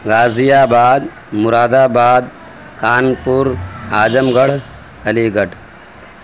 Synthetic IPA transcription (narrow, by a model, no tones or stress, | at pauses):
ɡaːzijaːbaːd̪ | mʊɾaːd̪aːbaːd̪ | kaːnpuɾaːd͡ʒɐmɡɐɽ̤ | ɐliːɡɐʈ